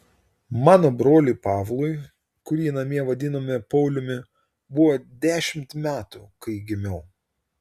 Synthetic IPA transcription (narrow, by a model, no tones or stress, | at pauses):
mɑːnoːbɾoːlʲipɑːʋlˠʊɪ | kʊɾʲiːnɐmʲiɛʋɐd̪ʲɪnoːmʲɪpɐʊlʲʊmʲɪ | bʊʋoːd̪ʲæːʃʲɪmʲt̪mʲæːt̪ʊ̰kɐɪɡʲɪmʲɛʊ